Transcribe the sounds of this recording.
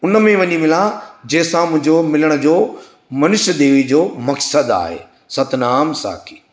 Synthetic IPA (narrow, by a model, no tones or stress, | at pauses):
ʊnə̆mẽʋɐɲimɪlãd͡ʑɐːɪsãmʊ̃ɦɪ̃ɲd͡ʑomɪləɽ̃ə̆d͡ʑoː | mɐnʊʃəd̪eːʋid͡ʑoːmɐksəd̪a̰ːɦḛː | sɐt̪naːmsa̰ːkʰi̥